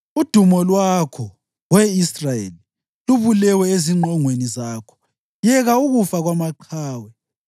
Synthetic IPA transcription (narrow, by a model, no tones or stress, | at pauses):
ud̥ʱumɔlwakʰɔ | ɣwɛisrajḛli | luβulɛwɛeziŋ͡ǃʱɔŋwenizaːkʰɔ̥ | jɛɣauɣufaɣwamaǃʰaːwɛ